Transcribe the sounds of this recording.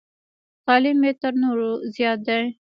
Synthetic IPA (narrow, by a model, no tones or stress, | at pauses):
t̪ɑlimːet̪əɾnoɾozjɑt̪̚d̪aj